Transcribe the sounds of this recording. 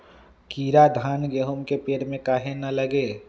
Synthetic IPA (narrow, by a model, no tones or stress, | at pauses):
kiːɾad̪ʱaːnɡeɦomkepeːɾmẽkaːɦenɐləɡe